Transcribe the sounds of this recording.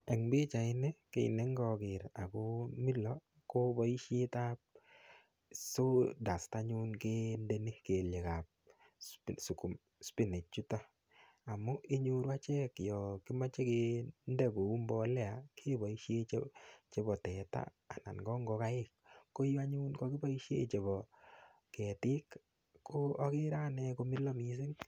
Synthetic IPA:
ɛ˨ŋbe˦t͡ʃa˨ɪ˦nɛ˦kḛ˨ḭ˨ne˦ŋɡɔ˨kɪ˨ɾa˨ko˦mi˦lɔ˨ | ko˦bɔ˨i˦ʃje˦ta˦p̚ | so˦da˨sta˦ɲu˦nke˦nde˦ni˦ke˨lje˨ka˨p̚ | su˨ku˨m | spi˦nɪ˨t͡ʃu˦ta˦ | a˨mu˦ʔe˦ɲo˦ɾwa˦t͡ʃɛ˦kjɔ˨ki˦ma˦t͡ʃe˦ke˦nde˦ko˨u˦mbɔ˦lɛ˦a˨kʰe˦bɔ˨iʃje˦t͡ʃt͡ʃe˨˦bɔ˨tɛ˨ta̰ː˦˨na̰˨nɡɔ˦ŋɡɔ˧ka˦ɪ˦kːo˦ja˦ɲu˦nkɔ˦ki˦ba˦i˦ʃḛ˦t͡ʃe˨bɔ˨ | kɛ˨tɪ˦k | ko˦ɔ˦kɪ˦ɾa˦nɛ˧ko˦mi˦lɔ˦mi˨s̬i˦ŋ

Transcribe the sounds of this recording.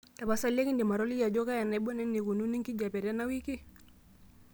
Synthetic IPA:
da˨ba˨sa˦la˦ki˦ndi˨ma˨ɾɔ˦li˦ja˨d͡ʒɔ˦ka˦ja˨na˨i˦bɔ˦nɛ˦nːi˨ku˨nu˦ni˦ŋki˦d͡ʒa˨pɛ˨ɾɛ˦na˦wi˦ki˦

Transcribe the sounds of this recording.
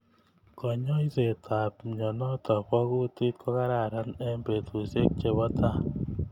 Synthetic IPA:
kɔ˨ɲɔ˦i˦se˨tʰa˨pɲɔ˨nɔ˦tɔ˨pɔ˦ku˦ti˦t̚kʰɔ˦ka˦ɾa˨ɾa˦nɛ˦mbe˨t̪u˨se˦k̚t͡ʃe˦βɔ˦tʰa˦˨

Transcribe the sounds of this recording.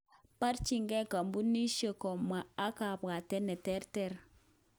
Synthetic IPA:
pa˦ɾt͡ʃi˦˨ŋɡe˦ka˨mbu˦nːi˦ʃe˦˨ko˨ma˨a˦ka˨bɡa˨te˦ne˨tɛ˦ɾtɛ˦˨ɾ

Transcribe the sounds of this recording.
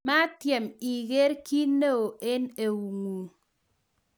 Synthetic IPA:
ma˦tjɛ˨mi˨ɡe˦ɾki˦ne˦o˨ʔe˦ne˨wu˨ŋu˨

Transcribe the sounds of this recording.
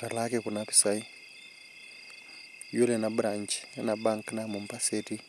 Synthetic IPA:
ta˨la˦keku˨napi̥sai | ju˦le˨nabu˦ɾa˨ɲt͡ʃi̥nana˨ba˦ŋka˦namu˨mpa˦seti˦

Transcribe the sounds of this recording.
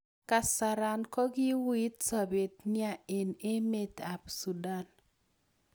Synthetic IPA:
ka˨sa˨ɾa˨nkɔ˦ɡɪ˦wi˦t̪sa˨be˨t̪nɪ˦a˨e˨ne˦me˦t̪a˨psu˨da˦n

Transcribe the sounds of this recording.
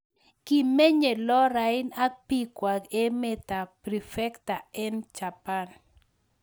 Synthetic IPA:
ki˨me˦ɲe˨lɔ˦ɾa˨ɪ˦na˦k̚pi˦kwa˨ke˦me˦t̪a˨pɾi˨fɛ˦kta˨ɛ˦nt͡ʃa˨pa˦n

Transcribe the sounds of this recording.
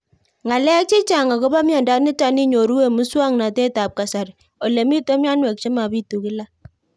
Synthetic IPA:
ŋa˨lɛ˦k̚t͡ʃɪ˦t͡ʃa˨ŋa˨kɔ˦ba˦mjɔ˨nda˨˦nɪ˦ta˨˦ni˦ɲo˨ɾu˦we˦˨mu˦swa˦ŋna˨te˦ta˨p̚ka˨sa˨ɾ | o˨le˨mi˦to˦m˦a˦nwɛ˨k̚t͡ʃe˦ma˨bi˦tu˨kɪ˦la˦

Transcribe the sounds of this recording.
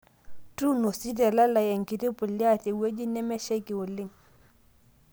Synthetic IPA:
tu˦no˨si˦te˨la˦la˨je˨ŋki˨ti˦pu˨li˦a˦˨te˨we˦d͡ʒi˦nɛ˦mɛ˦ʃe˦ki˨wo˨li˦ŋ

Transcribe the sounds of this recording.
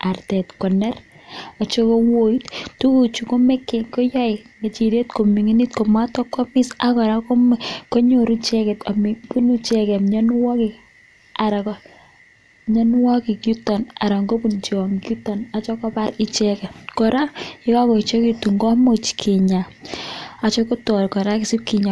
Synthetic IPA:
a˨rtɛ˨tkɔ˨nɛ˦rɔ˨t͡ʃo˦ko˦wo˦i˦ttu˦ku˨t͡ʃu˨ko˦mɛ˦kːe˨ŋkɔ˦jɔ˦ɪ˨ŋe˨t͡ʃi˨ɾe˦tko˨mi˨ŋi˦ni˦tko˨ma˦tɔ˦kːɔ˦mɪ˦sa˦kɔ˨ɾa˦ko˦ko˦ɲo˨ɾu˦t͡ʃɛ˦kɛ˨ta˨mi˨pu˦nu˦t͡ʃɛ˦kɛ˨mɲɔ˦n˦wɔ˦ki˨ | a˨ɾa˨kɔ˨ | ɲɔ˦n˦wɔ˦ki˨ki˦tɔ˨na˨ɾa˨ŋɡo˦pu˨nt͡ʃi˨wɔ˨ŋki˦tɔ˨na˨t͡ʃɔ˦kɔ˦pa˦ɾi˦t͡ʃɛ˦kɛ˨kɔ˨ɾa˦ɪ˦ka˦kɔ˨i˨t͡ʃo˦ki˦tu˨ŋɡɔ˦mo˨t͡ʃkʰi˨ɲa˨ | a˨t͡ʃɔ˦ko˦tɔ˨ɾkɔ˨ɾa˦ki˨si˦p̚ki˨ɲa˨

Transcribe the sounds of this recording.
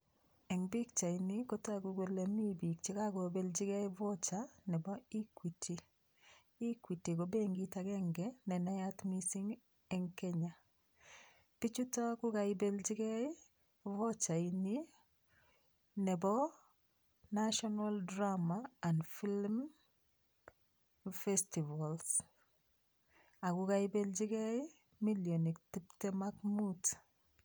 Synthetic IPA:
ɛ˨ŋbi˦kt͡ʃa˨iniko˦ta˦ɡuɡo˦le˨mi˦bi˨k̚t͡ʃi˦ka˦ɡo˨be˦lt͡ʃi˦ɡɛ˦ɪ˦vɔ˦t͡ʃanɛ˨bɔ˦i˦kwi˨tʰi˨ | i˦kwi˨ti˨ko˨be˦ŋɡita˨kɛ˦ŋɡɛnɛ˨na˦ja˦tmisi˦ŋ | ɛŋkɛ˦ɲa˨ | pi˦t͡ʃu˦ta˦ku˦ka˨ɪbe˦lt͡ʃi˦ɡɛ˦ɪ˦ | vɔt͡ʃaini | nɛbɔ | naʃɔnaldɾamaːndfilm | festivals | akuɡajbeld͡ʒiɡɛi | miljonik̚tip̚tɛmakmut

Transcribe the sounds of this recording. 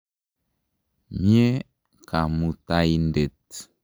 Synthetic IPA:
ɲ˦e˦ | ka˨mu˨ta˦i˦nde˨t̚

